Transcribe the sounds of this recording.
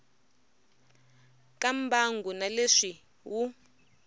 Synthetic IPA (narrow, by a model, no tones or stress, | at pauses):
kʼambʱaŋɡʱunaleʂi | wu